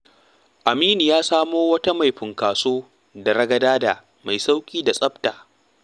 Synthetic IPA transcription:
ʔa˨miː˦ni˨jaː˦saː˦moː˦wɐ˦ta˦ma˨jɸɪ˨ŋkaː˨soː˦ | dɐ˨ɾɐ˦ɡɐ˨daː˦da˨ | ma˨jsa˦wkʲʼiː˦da˨sʼɐ˦btaː˨

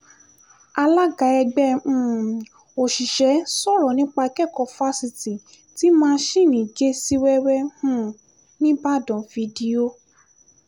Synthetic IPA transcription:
a˧la˦ɡa˨˧˦ɛ˧ɡ͡bɛ̃˦˨ | o˨ʃi˨ʃɛ˨˦sɔ˦˨ɾɔ˨nĩ˨˦k͡pa˧kɛ˦˨kɔ˨˧fa˦si˧ti˨ | ti˦mãː˦˧˦ʃi˦˨nĩ˨d͡ʒe˦si˦wɛ˦wɛ˦hũ˦˨ | nĩ˦ba˦˨dɔ̃˨vi˧di˧o˦

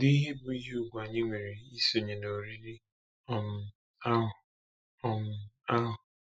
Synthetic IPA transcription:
di˦ɦe˦bʊ˨i˦ɦe˦u˦˨ɡʷu˨a˨ɲe˦ŋʷe˨ɾi˨i˦so˨ɲe˨no˨ɾi˦ɾi˦ | ɔ˨m̩˨ | a˦ɦʊ˨ | ɔ˦m̩˨a˦ɦʊ˨

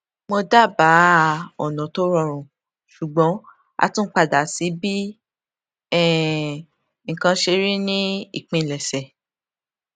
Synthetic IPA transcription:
mo˧da˦˨ba˨˦ɔ˨nɔ̃˨˦to˦ɾɔ˦˨ɾ̃ũ˨ | ʃu˨ɡ͡bɔ̃˨˦ | a̰˧tũ˦k͡pa˧da˨si˨˦bi˦ | ɛ˦˨ | ŋ̩˨kã˧ʃe˧ɾi˦nĩ˦i˦˨k͡pẽ˨˧˨lɛ˨sɛ˨

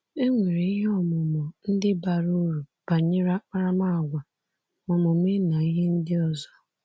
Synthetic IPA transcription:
e˦ŋʷe˨ɾe˨˦i˦ɦe˦ɔ˦mʊ˨mʊ˨n̩˦dɪ˦ba˨ɾu˦ɾu˨b̥a˨ɲɪ˦ɾa˦k͡pa˦ɾa˦ma˦˨ɡʷa˨ | mɔ˨mʊ˨m˦e˦na˨i˦ɦe˦n̩˦dɪ˦ɔ˨zɔ˦

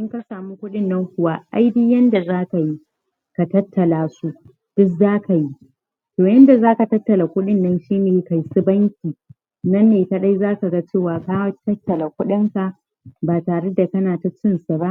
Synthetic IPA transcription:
ʔɪ˦ŋkɐ˦saː˨mu˦kʷʊ˦ɗɪ˦nːɐ˦ŋkʷʊ˨wa˦ʔa˦jbɪ˦jɐ˦nda˨zaː˦ka˨ji˦ | ka˨tɐ˦tʰːɐ˨laː˨su˦ʔ | d̥ʊ˦kzaː˦ka˨ji˦ | toː˨jɐ˦nda˨zaː˦ka˨tɐ˦tːɐ˨la˨kʷʊ˦ɗɪ˦nːɐ˦nʃiː˦neː˨ka˨jsɪ˦bɐ˦ŋkʲiː˨ | nɐ˦nːeː˨tɐ˦ɗa˦jzaː˦ka˨ɡa˦t͡ʃeː˦˨waː˨kaː˦wɐ˦tɐ˦tːɐ˨la˨kʷʊ˦ɗɪ˦ŋka˨ʔ | baː˨taː˨ɽe˦da˨kɐ˦naː˨ta˨t͡ʃɪ˦nsa˨ba˦ʔ

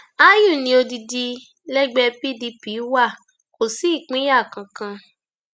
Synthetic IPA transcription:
a˦ju˦˨nĩ˧o˧di˧di˧ | lɛ˦ɡ͡bɛ˧pi˦di˧pi˨˦wa˦˨ | ko˨si˦˨k͡pĩ˨˦ja˦˨kã˧kã˧

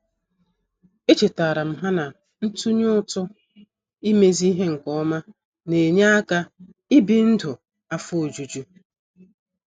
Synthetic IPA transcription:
e˦t͡ʃe˨ta˨ɾa˨m̩˦ɦa˦na˨ | n̩˦tu˦ɲʊ˦tʊ˦ | i˦me˦zi˦ɦe˦ŋ̩˨kɔ˦ma˦ | ne˨ɲa˦a˦ka˦ | i˦bi˦n̩˦dʊ˨ | a˦fʊ˦o˨d͡ʒu˨d͡ʒu˦

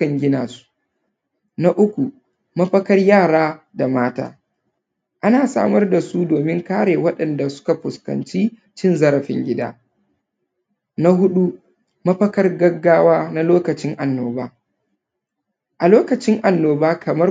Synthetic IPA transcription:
ɐ˨ŋɡʲɪ˦naː˨su̥˦ | na˦ʔʊ˦kʷu˨ | mɐ˦ɸɐ˦kɐ˦rjaː˦˨ɽaː˦ | da˨maː˦ta̰ː˦ | ʔa˦naː˨sa̰ː˦mɐ˦rda˨su˦doː˨mɪ˦ŋkaː˦ɽeː˨wɐ˦ɗɐ˨nda˨sʊ̥˦ka˨ɸʊ˨skɐ̰˨nt͡ʃiː˦ | t͡ʃɪ˦˨nzɐ˦ɾɐ˨ɸɪ̰˦ŋɡʲɪ˦da̰ː˦ | na˦ɦʊ˦ɗu˦ | mɐ˦ɸɐ˦kɐ˦rɡɐ˦ɡːaː˦waː˦na˦loː˦kɐ˨t͡ʃɪ˦ŋʔa˨nːoː˨baː˦ | ʔa˨loː˦kɐ˨t͡ʃɪ˦ŋʔa˨nːoː˨baː˦kɐ˨mɐ˦

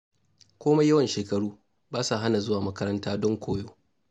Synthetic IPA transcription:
kʷoː˦ma˦jɐ˦wɐ˨nʃeː˨kɐ˨ɽuː˦ | baː˦sa˨ɦa˦na˨zʊ˦waː˨mɐ˦kɐ˦ɾɐ˦ntaː˦dɔ˦ŋkʷoː˦joː˦

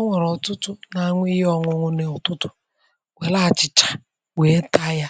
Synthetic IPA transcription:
ŋʷe˨ɾɔ˨tʊ˦tʊ˦na˨˦ŋʷi˦ɔ˦ŋʊ˨ŋʊ˦ne˨ʊ˨tʊ˦tʊ̥˨ | we˨˦la˦˨t͡ʃɪ˨t͡ʃḁ˨ | wʷe˨˦ta˦ja˦

